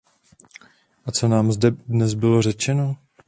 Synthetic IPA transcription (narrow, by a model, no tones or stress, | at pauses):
ʔat͡so̞naːmzdɛdnɛzbɪlo̞r̝ɛt͡ʃɛno̞